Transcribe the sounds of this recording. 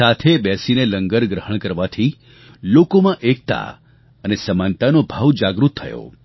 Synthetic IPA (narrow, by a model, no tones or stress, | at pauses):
at̪ʰebjɛsineləŋɡəɾɡɾəɦəɳ̃kəɾʋat̪ʰi | lokomãʔek̚t̪a̰ | ənesəmãnt̪anobʱaʋd͡ʒaɡɾut̪ʰːəjo̰